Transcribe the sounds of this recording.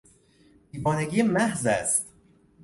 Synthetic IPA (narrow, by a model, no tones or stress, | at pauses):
biːbɒːneɡiːemæhzæst̪